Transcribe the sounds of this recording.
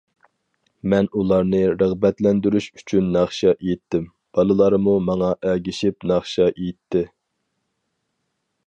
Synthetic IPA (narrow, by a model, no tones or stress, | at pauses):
mɛnulˠɑɾnɨɾəʁbɛt̪lɛnd̪yɾyʃy̥t͡ʃʰynːɑχʃɑʔejit̪ʰːɪm | b̥ɑlˠɨlˠɑɾɨmumɑŋɑʔɛɡʲiʃip̚nɑχʃɑʔejit̪ʰːɪ